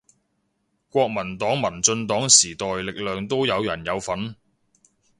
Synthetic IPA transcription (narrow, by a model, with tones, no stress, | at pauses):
kʷɔː˧k̚mɐ˨˩nt̪ɔː˨˥ŋmɐ˨˩nt͡sɵ˧nt̪ɔː˨˥ŋsiː˨˩t̪ɔː˨jlɪ˨k̚lœː˨˧ŋt̪o˥wjɐ˨˧wjɐ˨˩njɐ˨˧wfɐ˨˥n